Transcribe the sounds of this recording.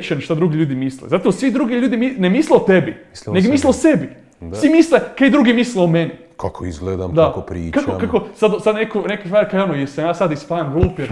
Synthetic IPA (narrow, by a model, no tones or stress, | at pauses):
t͡ʃenʃt̪ad̪ɾuɡiʎuːd̪imislḛzat̪oʋosʋid̪ɾuɡiʎuːd̪iminemisleot̪ebineɡmisleosebi | sʋimislekejd̪ɾuɡimisleomeni | kakʰoizɡled̪a̰md̪akopɾḭːkakokakosad̪sad̪nekonekisʋaːɾkajonojesamjaːsad̪ispaːjanɡlˠuːpjeɾ